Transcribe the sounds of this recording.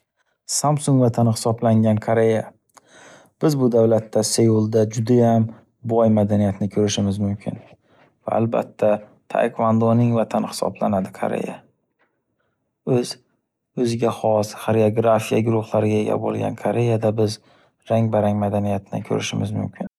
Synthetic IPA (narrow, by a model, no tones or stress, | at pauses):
samsʊŋɡvat̪ʰanɪhɪ̥sɒblaŋɡʲankʰaɾe̞ja | b̥ɪzbʊd̪avlat̪ʰːasejulˠd̪ad͡ʒʊd̪ajam | bɒjmad̪anijat̪ʰnɪkʰɵɾɪʃɪmɪzmʊmkʲʰɪ̰n | va̰ːlba̰t̪ʰːat̪ʰa̰jkʰvand̪onɪŋvat̪ʰanɪhɪ̥sɒ̰bla̰nad̪ɪkʰa̰ɾḛja̰ | ɵz̥ | ɵzɪɡʲaχɒshaɾioɡɾafijaɡʊɾʊχlˠaɾɪɡʲaeɡʲa̰bo̰lˠɡʲa̰nkʰaɾe̞jad̪abɪz | ɾaŋbaɾaŋmad̪anijat̪ʰɪnɪ̰kʲʰɵ̰ɾɪʃɪmɪzmʊ̰mkʲʰɪn